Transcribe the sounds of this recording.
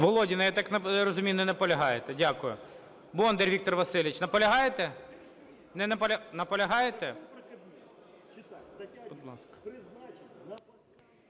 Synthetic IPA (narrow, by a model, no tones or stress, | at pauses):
ʋɔlˠɔdʲinɐjat̪aknɐɾɔzʊmʲinɔnɛpɔlʲɐɦɑjet̪ɛdʲakʊjʊ | bɔnd̪erʲʋʲik̚t̪ɔrʋɐsɪlʲʋit͡ʃnɐpɔlʲɐɦɑjet̪ɛ | nɛnɛpɔlʲɐnɐpɔlʲɐɦɑjet̪ɛ | bɔd̪lˠɑskɐ̥